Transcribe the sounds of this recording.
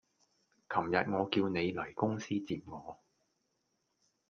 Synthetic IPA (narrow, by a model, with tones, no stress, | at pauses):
kʰɐ˨˩mjɐ˨t̚ŋɔː˨˧kiː˧wne˨˧jlɐ˨˩jkʊ˥ŋsiː˥t͡siː˨p̚ŋɔː˨˧